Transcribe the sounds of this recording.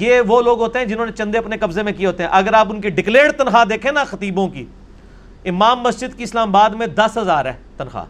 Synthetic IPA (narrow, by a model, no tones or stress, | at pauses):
jeːʋoːloːɡɦoːt̪eɦɛ̃d͡ʒɪnõːnet͡ʃɐ̃nd̪eɐpnekɐbzemẽkieɦoːt̪eɦɛ̃ʔɐɡəɾaːpʊnkiɖɪkleːɖt̪ɐnxaːd̪eːkʰẽnaxɐt̪iːbõkḭ | ɪmaːmːɐsd͡ʒɪd̪kiɪslaːmabaːd̪mẽd̪ɐsɦɐzaːɾɛ̰ːt̪ɐnxa̰